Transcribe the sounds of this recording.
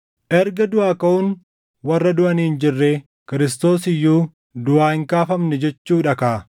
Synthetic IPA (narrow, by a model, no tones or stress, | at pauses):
ʔɛɾɡɐd̪ʊaːkɐʔʊn | wɐrːɐd̪ʊʔɐniːɪnd͡ʒɪrːeː | kɪɾɪst̪o̞ːsɪjːuː | d̪ʊʔaːhɪŋkaːfɐmnɛd͡ʒɛt͡ʃːuːᶑɐkaː